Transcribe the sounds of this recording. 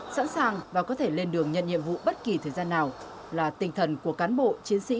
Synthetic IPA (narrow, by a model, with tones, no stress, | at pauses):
sa̰ː˧˥nsaː˨˩ŋvaː˨˩kɔ˨˦t̪ʰe˧˩le˧nɗɨ˨˩əŋɲə̰˧˨nɲḭ˧˨əmvṵ˧˨ɓə˦˥t̚ki˨˩t̪ʰəː˨˩jzaː˧nːaː˨˩w | laː˨˩t̪ï˨˩ŋ̟t̪ʰə˨˩nku˧˩əkaː˨˦nɓo̰˧˨t͡ɕi˨˦ənsḭ˧˥